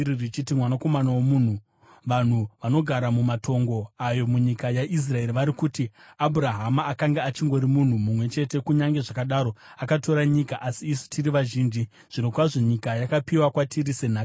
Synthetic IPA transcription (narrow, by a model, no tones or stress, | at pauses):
irit͡ʃitimwanako̞manawomun̤u | ʋan̤uʋano̞ɡʱaɾamumatʰo̞ŋɡo̞ajo̞muɲikajaʔis̬rae̞ɾiʋaɾikutiabʱuɾaɦamaːkaŋɡeat͡ʃiŋɡo̞ɾimun̤umumwe̞t͡ʃe̞te̞kuɲaŋɡe̞ʐakaɗaɾo̞akato̞ɾaɲikaʔasiːsu̥tʰiriʋaʒiːnd͡ʒi | ʐ̥ino̞kwaʐo̞ɲikajakapiwakwatʰiɾise̞naː